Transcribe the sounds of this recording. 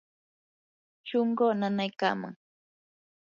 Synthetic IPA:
ʃoɴɢoːnanajka̰ːma̰ŋ

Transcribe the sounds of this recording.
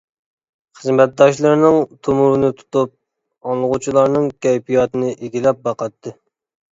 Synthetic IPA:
χəzmɛt̪̚d̪ɑʃlˠɨɾnɨŋt̪ʰumuɾɨnɨt̪ʰu̥t̪up̚ | ɑŋlˠəʁut͡ʃʰilˠɑɾnɨŋkʲɛjpijɑt̪ɨnɨʔeɡʲilɛp̚bɑqɑt̪ʰːɨ

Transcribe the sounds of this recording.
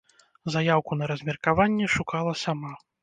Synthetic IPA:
zajawkunɐɾɐzʲmʲɛrkavanʲːɛʂukalˠɐsama

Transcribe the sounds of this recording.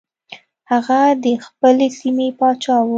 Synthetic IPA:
haɣad̪əxpəlesimepɑt͡ʃɑwu

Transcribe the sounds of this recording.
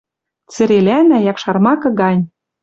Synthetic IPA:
t͡sɘ̆ɾelʲænæjɑkʃɑrmɑkɤ̆ɡɑnʲ

